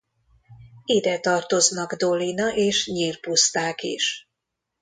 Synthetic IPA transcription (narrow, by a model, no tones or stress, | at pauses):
id̪ɛt̪ɒrt̪o̞znɒɡd̪o̞linɒʔeːʃɲiːrpust̪aːkḭʃ